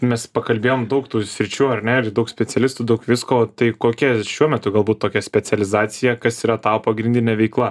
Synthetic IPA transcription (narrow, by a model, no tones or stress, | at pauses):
mʲɛspɐkɐlʲbʲeːjoːmd̪ɐʊkt̪uːsʲɾʲɪt͡ʃʲuːɐrʲnʲɛɪɾd̪ɐʊksʲpʲɛt͡ssʲɛlʲɪst̪uːd̪ɐʊkʋʲɪskoːt̪ɐɪkoːkʲɛʃʲuɔmʲɛt̪ʊɡɐlˠbuːt̪toːkʲɛsʲpʲɛt͡sʲɛlʲɪzɑːt͡s̪ʲɪjɛkɐsiːɾɐt̪ɑːpɐɡɾʲɪnʲd̪ʲɪnʲɛːʋʲɛɪklˠɐ